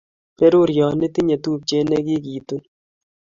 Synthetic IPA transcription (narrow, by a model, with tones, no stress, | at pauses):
pɛ˦ɾo˦ɾjɔː˨nɪ˦t̪i˦ɲa˨t̪uː˦p̚t͡ʃe˦nɛ˦ki˦kiː˨t̪u˦n